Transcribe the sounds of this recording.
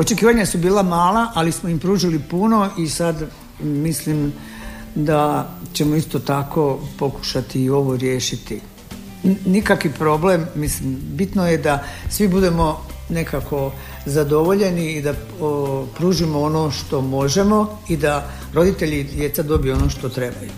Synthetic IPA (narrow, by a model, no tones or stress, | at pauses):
o̞t͡ʃe̞kiːʋaɲasubiːlˠamaːlaʔalismoimpɾuːʒilipuno̞isad̪ | mislim | d̪at͡ɕe̞mo̞ist̪o̞t̪ako̞po̞ku̥ʃat̪iːo̞ʋo̞ɾje̞ːʃit̪i | nikakʋipɾo̞ble̞mːislimbit̪noje̞d̪asʋibud̪e̞mo̞ | ne̞kako̞ | zad̪o̞ʋo̞ʎe̞niːd̪a | pɾuːʒimoonoʃt̪o̞mo̞ʒe̞mo̞ | id̪a | ɾo̞d̪it̪e̞ʎid̪je̞t̪sad̪o̞bijuo̞no̞ːʃt̪o̞t̪ɾe̞baju